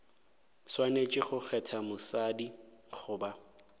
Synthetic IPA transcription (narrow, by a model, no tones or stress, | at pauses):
swanet͡ʃʼɪχʊχʰɛtʰamʊsadiχʊːba